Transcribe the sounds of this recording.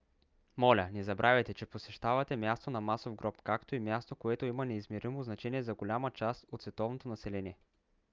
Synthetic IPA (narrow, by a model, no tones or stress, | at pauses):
mɔlʲənɛzɐbɾʔavʲɛt̪ɛt͡ʃɛposɛʃt̪avɐt̪ɛmjast̪onɐmasovɡɾɔpkakt̪oimjast̪okoɛt̪oimɐnɛizmɛɾimoznɐt͡ʃɛniɛzɐɡolʲamət͡ʃast̪ot̪svɛt̪ɔvnot̪onɐsɛlɛnʲiɛ